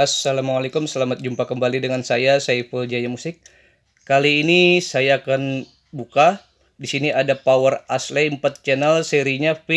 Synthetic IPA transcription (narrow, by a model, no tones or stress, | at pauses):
asːalamualekʊmsəlamat̪̚d͡ʒumpakəmbalidəŋansajasajfəld͡ʒajamusɪk̚ː | aliːnisajaːkan | buka | disiniʔadapawərasleəmpat̪̚t͡ʃɛnəlseɾiɲafi